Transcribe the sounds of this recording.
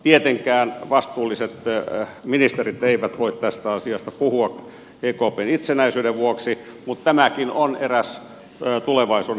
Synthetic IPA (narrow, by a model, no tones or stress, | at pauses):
t̪iet̪eŋkæːnʋɑst̪uːlːˑiset̪minist̪erit̪eiʋæt̪ʋoit̪t̪æst̪æɑsiɑst̪ɑpuhuɑk | eːkoːpeːnit̪senæisyːdeʋʋuoksi | mut̪t̪æmækinoneræs | t̪uleʋɑisuː